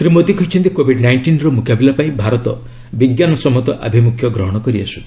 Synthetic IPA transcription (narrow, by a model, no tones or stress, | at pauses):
t̪ɾimot̪ikʰɔjt͡ʃʰɔnt̪ikobʱiɖnajɳʈinɾɔmukabilapaĩbʱaɾɔt̪ɔ | biɡjanɔsɔmɔt̪ɔʔa̰bʱimukʰjɔɡɾɔɦɔɽ̃ɔkɔɾiasu̥